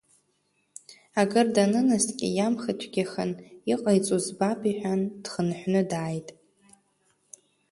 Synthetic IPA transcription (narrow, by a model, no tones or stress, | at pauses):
aɡɨrdanɨnɨstʼkʲʼɪ̰jamχatʷʰɡʲaχə̰niqʼajt͡sʼuzbapʰʼiħʷᶣand̥χənħʷnɨdaːjtʼ